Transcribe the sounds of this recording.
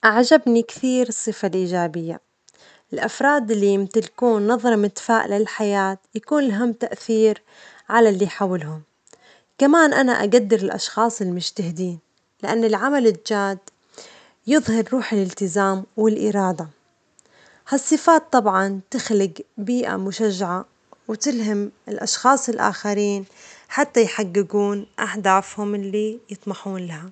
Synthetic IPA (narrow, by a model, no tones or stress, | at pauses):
ʔaʕd͡ʒabnikθiːɾɨsˤːɨfalʔiːd͡ʒaːbɪjːa | ɪlʔafɾˤɑːd̪ɪlːijɪmt̪ɪlkuːnːɑðˤɾˤɑmɪt̪faːʔlɪlħajaːt̪jakuːnɪlɦamːt̪aʔθiːɾ | ʕalalːiħaːwɪlɦʊm | kamaːnʔana̰ʔa̰ɡad̪ːɪɾɪlʔɑ̰ʃxɑːsˤɪlmʊʃt̪ahɪd̪iːn | lɪʔanːɪlʕamalɪd͡ʒaːd̪ | jɨðˤhɑɾɾuːħɪlɪlt̪ɪzaːmwɪlʔɪɾˤɑːd̪a | hasˤːɨfaːt̪ˤːɑbʕɑnt̪ɪxlɪɡbiːʔa̰mʊʃaʒːaʕa | wt̪ɪlɦamɪlʔɑʃxɑːsˤɪlʔa̰ːxaɾiːnħat̪ːajħaɡːɪɡuːnʔaħd̪aːfhʊmɪlːijɨt̪ˤmɑħuːnlaha